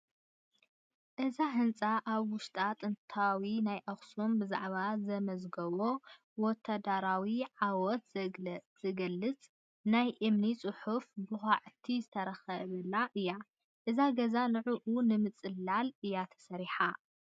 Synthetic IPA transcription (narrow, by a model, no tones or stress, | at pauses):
ʔɨzaɦɨnt͡sʼaʔaβwʊʃt̪ʼat̪ʼɨnt̪ʰawinajʔɐxsombɨza̰ʕβazɐmɐzɡɐβo̞ | wɔt̪ʰːad̪aɾawiʕawɔt̪zz̥ɨɡɐlːɨt͡sʼ | najʔɨmnit͡sʼɨħufbɨxaʕɨt̪ʰizɨt̪ʰɐɾɐxɐβɐlːaʔɨjːa | ʔɨzaɡɐzanɨʕuʔunɨmɨt͡sʼɨlːalɨjːat̪ʰɐ̥sɐɾiħa